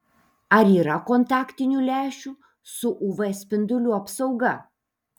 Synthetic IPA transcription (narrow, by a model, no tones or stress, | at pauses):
ɐɾiːɾɐkoːnt̪ɑːkt̪ʲɪnʲuːlʲæːʃʲuː | sʊʔuːʋɐsʲpʲɪnd̪ʊlʲʊɐpsɐʊɡɐ